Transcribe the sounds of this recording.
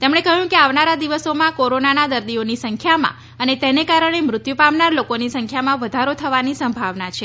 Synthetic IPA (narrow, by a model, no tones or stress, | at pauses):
t̪emɳ̃ekəɦjũkeaʋnaɾad̪iʋəsomãkoɾonanad̪əɾd̪ionisəŋkʰjamã̰ | ənet̪enekaɾəɽ̃emɾʊt̪jupamnaɾlokonisəŋkʰjamãʋəd̪ʱaɾot̪ʰəʋanisəmbʱaʋnat͡ʃʰe